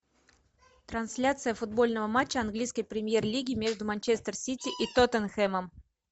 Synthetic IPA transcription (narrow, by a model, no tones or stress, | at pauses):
t̪ɾɐnsʲlʲat̪sɨjəfʊd̪̚bo̞lʲnəvəmat͡ɕːəɐnɡlʲijskəjpɾʲɪmʲjerlʲiɡʲɪmʲe̞ʐd̪ʊmɐnʲt͡ɕest̪ərsʲitʲɪʔit̪ot̪ənxɛməm